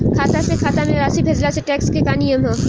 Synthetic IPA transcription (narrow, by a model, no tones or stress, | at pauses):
kʰaːt̪asekʰaːt̪amẽɾaːsibʰʱeːd͡ʒlaseʈɛːkskekaːnijəmɦɛ̃ː